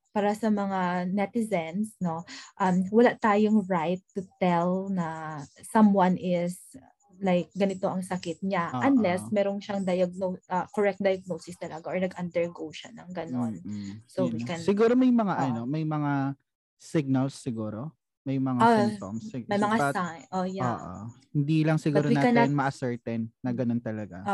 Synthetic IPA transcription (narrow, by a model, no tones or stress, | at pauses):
paːɾɐsɐmɐŋanɛt̪ɪzɛnsno̞ʔɐmwɐlaʔt̪aːjoŋɹajt̪ːʊt̪ɛlnɐsɐmwɐnʔɪs | lajk̚ɡɐnɪt̪o̞ʔɐŋsɐkɪt̪̚ɲaʔɐnlɛsmɛːɾoŋʃaŋd̪ɐjɐɡ̚noʔɐkoɹɛk̚t̪̚d̪ɐjɐɡ̚nosɪst̪ɐlɐɡaʔoɹnɐɡʔɐnd̪ɛɹɡowʃɐ̰nɐŋɡɐnonsowikɛnsɪɡuːɾomɐjmɐŋaʔɐnomɐjmɐŋa | sɪɡ̚nɐlsːɪɡuːɾo | mɐjmɐŋao̰msmɐjmɐŋaaʔojaːʔo̰hhɪnd̪ilɐŋsɪɡuːɾowinaːkɐnɛnmɐʔɐsɛɹt̪ɛnːɐɡɐnont̪ɐlɐɡa̰o